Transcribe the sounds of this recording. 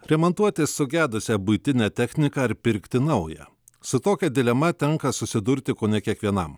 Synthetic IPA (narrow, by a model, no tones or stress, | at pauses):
ɾʲɛmɔnt̪uɔt̪ʲessʊɡʲæːd̪ʊsʲɛbʊɪt̪ʲɪnʲɛːt̪ʲɛxʲnʲɪkɑɪɾpʲɪɾʲkt̪ʲɪnɐʊjɛ̰ | sʊt̪oːkʲɛd̪ʲɪlʲɛmɐt̪ʲɛŋkɐsʊsʲɪd̪ʊɾʲt̪ʲɪkoːnʲɛkʲiɛkʋʲiɛnɐm